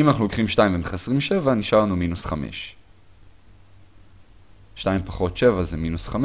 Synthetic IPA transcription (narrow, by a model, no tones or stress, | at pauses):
imanaχnulokχimʃtaimbemχasʁimʃe̞vaniʃaʁlanuminusχamḛʃ | ʃtajimpaχo̞tʃe̞vazeminusχam